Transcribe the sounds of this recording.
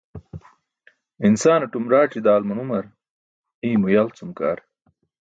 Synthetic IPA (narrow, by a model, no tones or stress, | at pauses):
insaːnɐʈumɾaːʈ͡ʂid̪aːlmɐnumɐɾ | iːmujalt͡sumka̰ːɾ